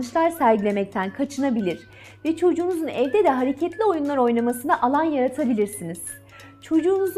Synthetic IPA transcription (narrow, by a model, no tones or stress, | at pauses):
nɯʃlˠaɾsæɾɟilʲe̞mɛc̚t̪ʰænkʰat͡ʃʰɯnabilʲiɾ̥ | vɛt͡ʃʰo̞d͡ʒuːnuzunɛvd̪ɛd̪ɛɦaɾecʰɛt̪lʲio̞junlˠaɾo̞jnamasɯnaʔalˠanjaɾat̪ʰabilʲiɾsiniz̥ | t͡ʃʰo̞d͡ʒuːnuz